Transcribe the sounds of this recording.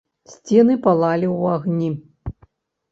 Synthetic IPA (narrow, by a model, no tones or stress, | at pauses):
sʲt͡sʲɛnɨpalˠalʲiwaɣnʲi